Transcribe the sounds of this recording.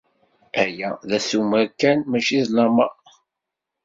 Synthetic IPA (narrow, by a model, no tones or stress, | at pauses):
æjæðæsuməɾkænmæʃiðlɑmɑʁ